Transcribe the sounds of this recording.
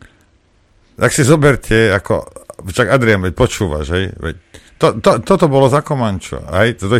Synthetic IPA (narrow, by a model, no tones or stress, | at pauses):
t̪aksizɔbɛɾcʰɛakɔ̰ʃaɡad̪ɾɛjamʋɛc̚pɔt͡ʃuːʋa̰ʒɦɛjʋɛ̰c̚t̪ɔt̪ɔt̪ɔt̪ɔbɔlɔzakɔmant͡ʃɔ̰ɦɛjt̪ɔt̪